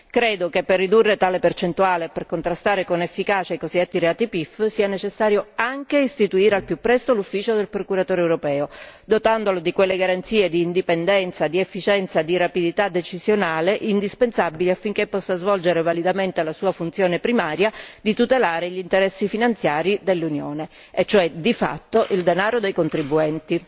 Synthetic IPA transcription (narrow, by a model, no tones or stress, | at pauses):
kɾeːd̪okepːerːid̪urːet̪aːlepert͡ʃent̪uaːleperkont̪ɾast̪aːɾekonefːikaːt͡ʃajkoziat̪ːiɾeaːt̪ipifsiːanet͡ʃesːaːɾjoaŋk̟eist̪it̪uiːɾealpjupːɾɛst̪olufːiːt͡ʃod̪elpɾokuɾat̪oːɾeɛwɾopɛːod̪ot̪and̪olod̪ikwelːeɡaɾant̪siːed̪iːnd̪ipend̪ɛnt̪sad̪iefːit͡ʃɛnt̪sad̪iɾapid̪it̪ad̪ːet͡ʃizjonaːleʔind̪ispensabiliafːiŋk̟epːɔsːazvɔld͡ʒeɾevalid̪ament̪elasuːafunt̪sjoːnepɾimaːɾjad̪it̪ut̪elaːɾeʎint̪eɾɛsːifinant̪sjaːɾid̪elːunjoːne | et͡ʃːoɛd̪ifa̰t̪ːoʔild̪enaːɾod̪ejkont̪ɾibːuɛnt̪i